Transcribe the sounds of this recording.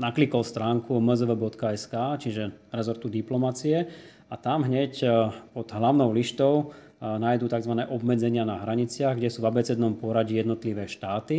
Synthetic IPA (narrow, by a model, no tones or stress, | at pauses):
naklikɔlst̪ɾaːŋkuməzəʋəbɔt̪kaɛskaːt͡ʃiʒɛɾɛzɔɾt̪ud̪iplɔmat͡siɛ | at̪amɦɲɛcpɔd̪ɦlaʊnɔʊliʃt̪ɔʊ | naːjd̪uːt̪aɡzʋanɛːʔɔbmɛd͡zɛɲɪanaɦɾaɲit͡sɪaɣɡɟɛsuːvabɛt͡sɛd̪nɔmpʊɔɾaɟijɛd̪nɔt̪liʋɛːʃt̪aːt̪i